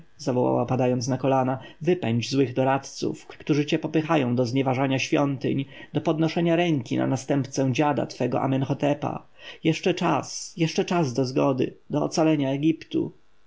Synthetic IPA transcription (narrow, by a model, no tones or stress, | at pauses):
zavɔwa̰wa̰pad̪ajɔnt̪snakɔlanavɘpɛɲd͡ʑzwɘɣd̪ɔɾat̪t̪sṵfkt̪uʐɘt͡ɕɛpɔpɘxajɔ̃w̃d̪ɔzɲɛvaʐaɲaɕfʲjɔnt̪ɘ̰ɲd̪ɔpɔd̪nɔʂɛɲaɾɛŋkʲina̰nast̪ɛmpt̪sɛ̃d͡ʑad̪a̰t̪fɛɡɔ̰ʔa̰mɛnxɔt̪ɛpa̰ | jɛʂt͡ʂɛt͡ʂasjɛʂt͡ʂɛt͡ʂazd̪ɔzɡɔd̪ɘ̰d̪ɔ̰ːt̪salɛɲaɛɡʲipt̪ṵ